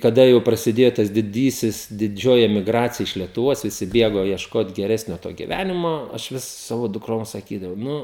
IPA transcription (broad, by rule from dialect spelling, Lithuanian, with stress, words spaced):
kɐˈdɐ jɛʊ prɐsʲɪˈdʲeːjoː tɐs dʲɪˈdʲiːsʲɪs dʲɪˈd͡ʒʲoːjɪ ɛmʲɪˈɡrɑːt͡sʲɪjɛ ɪʃ lʲiɛtʊˈʋoːs ʋʲɪˈsʲɪ ˈbʲeːɡoː iɛʃˈkoːt ɡʲɛˈrʲæːsʲnʲoː toː ɡʲɪˈʋʲænʲɪmoː ɐʃ ˈʋʲɪs ˈsɑːʋoː dʊkˈroːms sɐˈkʲiːdɐʋɐʊ ˈnʊ